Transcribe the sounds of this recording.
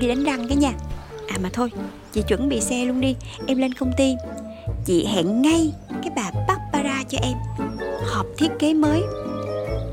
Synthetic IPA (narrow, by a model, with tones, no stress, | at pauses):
ɗi˧ɗa˨˦jŋ̟ɗa˧ŋkaː˨˦ɲaː˧˩ʔaː˨˩maː˨˩t̪ʰo˧j | t͡ɕḭ˧˨t͡ɕwə̰˧˩nɓḭ˧˨sɛ˧lu˧ənɗi˧ʔɛ˧mle˧nkə˧wŋ͡mt̪i˧ | t͡ɕḭ˧˨ɦa̰ː˧˨nŋa˧jkaː˨˦jɓaː˨˩ɓa˦˥k̚paː˧zaː˧t͡ɕɔ˧ʔɛ˧mhɔ˨˩p̚t̪ʰi˦˥ət̚ke˨˦məː˨˦j